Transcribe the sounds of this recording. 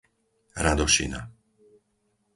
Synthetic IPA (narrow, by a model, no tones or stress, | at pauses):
ɾad̪ɔʃḭna̰